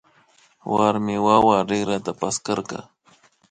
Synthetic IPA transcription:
waɾmɪwawaɾɪɡɾat̪apaskaɾka̰

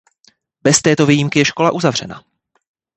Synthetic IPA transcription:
bɛst̪ɛːt̪o̞vijimkɪjɛʃko̞laʔuzavr̝ɛna̰

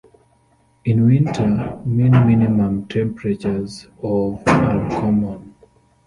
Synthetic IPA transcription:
ĩnwĩntʰəmĩnminimãmtʰɛ̃mpɹet͡ʃəz | ɔvãnkʰɔmɔ̃n

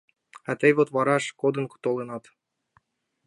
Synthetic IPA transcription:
æt̪ejvot̪βɑɾɑʃkod̪ɤ̆nku̥t̪olˠenɑt̪

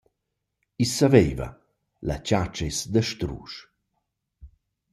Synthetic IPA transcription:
isːavejva̰ | la̰t͡ɕat͡ʃesd̪əʃt̪ɾṵːʃ

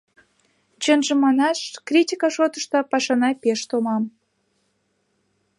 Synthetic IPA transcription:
t͡ɕənʒə̆mɑnɑʃkrʲitʲikɑʃot̪əʃt̪ɑpɑʃɑnɑpeʃt̪omɑm

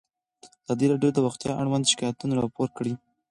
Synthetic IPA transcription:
az̥ɑd̪iɾɑɖjod̪əwaxt̪jɑʔaɽwand̪ʃɪ̥kɑjat̪unaɾɑpoɾkɽi

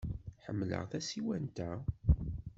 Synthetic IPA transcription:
ħə̰mːlə̰ʁθæsiwænt̪æ

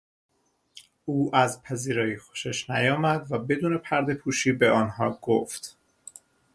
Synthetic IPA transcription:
uːʔæzpʰæziːɾɒːjixo̥ʃeʃnæjɒːmæd̪væbe̞d̪uːne̞pʰæɾd̪e̞pʰuːʃiːbeɒːnɦɒːɡoft̪

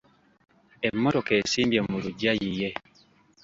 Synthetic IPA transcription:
ɛmːɔɾɔkɛsimbjamuɾud͡ʒajijɛ

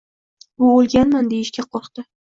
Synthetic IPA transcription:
ʊolˠɡʲanmand̪ejɪʃkʲaqʰɒɾqt̪ɪ

